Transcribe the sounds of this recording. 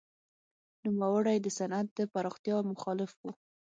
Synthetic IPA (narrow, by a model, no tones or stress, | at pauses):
numawəɽajd̪əsanat̪̚d̪əpaɾɑxt̪jɑmʊxɑlɪfwu